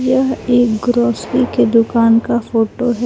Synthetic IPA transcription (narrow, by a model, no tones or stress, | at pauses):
jɐɦeːkɡɾɔːsɾiked̪ʊkaːnkafoːʈoɦɛ